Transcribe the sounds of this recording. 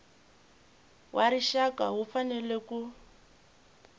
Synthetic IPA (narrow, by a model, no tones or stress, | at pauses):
wʔaɾiʃakaɦufanɛleku